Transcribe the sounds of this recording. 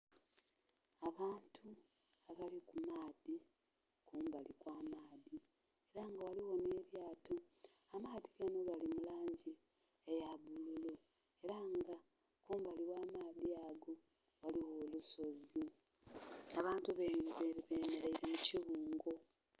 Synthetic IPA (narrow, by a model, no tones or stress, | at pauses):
aβaːntʰu | aβalikumaːði | kuːmbalikwaːmaːði | e̞ɾaŋɡawaliwo̞ne̞ːɾjaːto̞amaːðiɡ̥ano̞ɡalimulaːɲɟi | ejaβululo | e̞ɾaŋɡa | kuːmbaliwaːmaːðiaɡo̞ | waliwo̞ːluso̞zi | aβaːntuβeiɾiβeɾiβeːmeɾaiɾimuciβuːŋɡo̞